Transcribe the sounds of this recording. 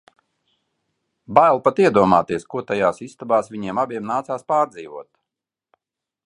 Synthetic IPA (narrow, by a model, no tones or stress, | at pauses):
bajlˠpat̪iɛd̪uɔmaːt̪iɛskuɔt̪ajaːsist̪abaːsvʲiɲiɛmabiɛmnaːt̪saːspaːɾd̪ziːvuɔt̪